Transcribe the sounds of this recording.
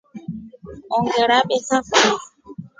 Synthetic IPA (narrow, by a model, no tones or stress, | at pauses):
ɔŋɡɛɾaɓɛsafa